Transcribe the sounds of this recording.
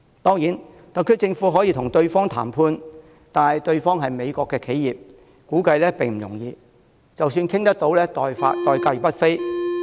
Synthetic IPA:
t̪ɔː˥ŋjiː˨˥n | t̪ɐ˨t̚kʰɵ˥t͡sɪ˧ŋfu˨˥ɦɔː˨˥jiː˧t̪ʰʊ˨˩ŋt̪ɵ˧ɥfɔː˥ŋt̪ʰa̰ː˨˩mpʰuː˧n | t̪aː˨nɐ˨jt̪ɵ˧ɥfɔː˥ŋɦɐ˨jme˨˧jkʷɔː˧kːɛː˧kʰe˨˥jiː˨p̚ | kuː˨˥kɐ˧jlɛː˥pɪ˨˩ŋm̩˨˩jʊ̰˨˩ŋjiː˧ | t͡sɐ˨wsyː˧nkʰɪ˥ŋt̪ɐ˥k̚t̪o˨˥wlɛː˥t̪ɔː˨˧jfa̰ː˧tt̪ɔː˨˧jkɐ˧jpɐ˥t̚fe˥j

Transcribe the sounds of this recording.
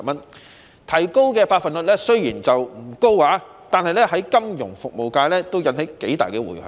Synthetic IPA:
mɐ˥n | t̪ʰɐ˨˩jko˥wkɛː˧paː˧k̚fɐ˨nlɵ˨lɛː˥sɵ˥ɥjiː˨˩nt͡sɐ˨wm̩˨˩ko˥whaː˨˥ | t̪aː˨nhɐ˨jlɛː˥ɦɐ˨˥jkɐ˥mjʊ̰˨˩ŋfʊ˨k̚mo˨wkaː˧jlɛː˥t̪o˥wjɐ˨˧nhe˨˥jke˨˥jt̪a̰ː˨˩jkɛː˧wṵ˨˩jhɐ̰˨

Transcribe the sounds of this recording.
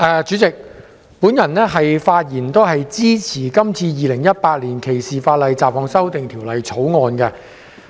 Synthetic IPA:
ʔɛː˨˧t͡ʃyː˨˥t͡sɪ˨k̚ | puː˨˥njɐ˨˩nnɛː˥ɦɐ˨jfaː˧t̚jiː˨˩nt̪o˥wɦɐ˨jt͡siː˥t͡sʰiː˨˩kɐ˥mt͡sʰiː˧jiː˨˧lɪ˨˩ŋjɐ˥t̚paː˧t̚liː˨˩nkʰe˨˩jsiː˨faː˧t̚lɐ˨˧jt͡saː˨p̚hɔː˨˧ŋsɐ˥wt̪ɪ˨ŋt̪ʰiː˨˩wlɐ˨jt͡sʰo˨˥wŋɔː˨˧nkɛ˧

